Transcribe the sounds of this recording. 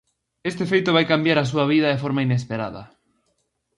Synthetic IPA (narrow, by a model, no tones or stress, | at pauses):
est̪efejt̪ʊβ̞ajkambjaɾas̬uɐβiðɐðefɔɾmaines̬peɾa̰ðɐ̰